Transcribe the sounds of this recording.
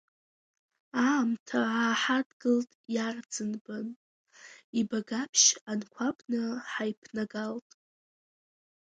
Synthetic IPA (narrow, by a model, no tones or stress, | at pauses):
aːmtʰaaːħadɡɨltʼjard͡zɨnbɨn | ibaɡapʰʃankʷʰabʼnɨħajpʰnaɡaltʼ